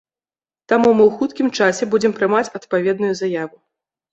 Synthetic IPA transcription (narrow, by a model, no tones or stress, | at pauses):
t̪amumɨwxut̪kʲimt͡ʂasʲɛbud͡zʲɛmpɾɨmat͡sʲɐt̪pavʲɛd̪nujuzajavu